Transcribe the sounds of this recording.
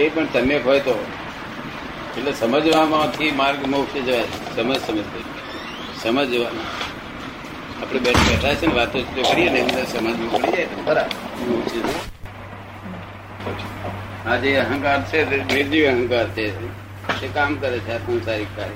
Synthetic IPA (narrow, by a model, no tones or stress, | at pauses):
epəɳt̪əmekɦojt̪o | eʈlesəməd͡ʒʋamãt̪ʰimaɾɡmokt͡ʃʰed͡ʒəʋasəməd͡ʒsəməd͡ʒ | səməd͡ʒʋana | apɽ̃eɓɛʈʰebɛʈʰajt͡ʃʰeneʋat̪ot̪ʰit̪okəɾijeneəmd̪asəmad͡ʒmãpəɽid͡ʒajt̪obəɾamot͡ʃed͡ʒe | ad͡ʒeəɦə̃ŋkaɾt͡ʃʰenɪɾd͡ʒiʋəɦə̃ŋkaɾt͡ʃʰe | ekamkəɾet͡ʃʰeakõnsaɾikkaɾ